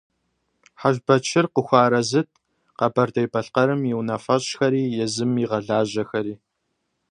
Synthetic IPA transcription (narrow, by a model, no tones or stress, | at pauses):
ħaʒbɐt͡ʃʰɪrqəxʷɑːɾɐzɨt̚ʰ | qɐbɐrdɐjbɐɬqɐɾɨmjiwnɐfɐɕxɐɾiːjɛzɨmiʁɐɮaːʑɐxɐɾiː